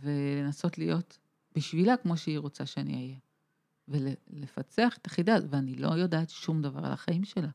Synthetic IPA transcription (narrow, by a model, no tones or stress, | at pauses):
ve̞le̞naso̞tlijo̞t | b̥iʃvilakmo̞ʃeiʁo̞t͡saʃeanḭaje | velele̞fat͡seaχe̥t̪ḁχidatveanilo̞̰jo̞daːtʃumdava̰ʁa̰la̰χaimʃe̞la